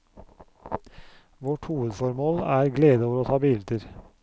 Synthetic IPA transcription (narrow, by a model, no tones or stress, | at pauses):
ʋɔʈhuːəd̪fɔɾmoːlæːɾɡleːd̪əoːʋəɾoːt̪ʰɑːbɪld̪əɾ